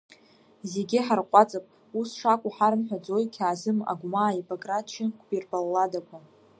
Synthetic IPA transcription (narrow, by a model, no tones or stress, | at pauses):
ze̞ɡʲɪħarqʷʼat͡sʼapʼ | usʂakʷʼaħaɾɨnħʷᶣad͡zo̞jkʲʰaːzɨma̰ɡʷmaːipʼokʼrat̚ʰt͡ʃʰɪkʷʰʼbirpʼalːadakʷʰa